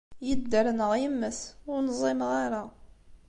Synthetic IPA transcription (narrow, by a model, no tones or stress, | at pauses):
jəd̪ːəɾnəʁjəmːəθʊɾnzˤimʁaɾa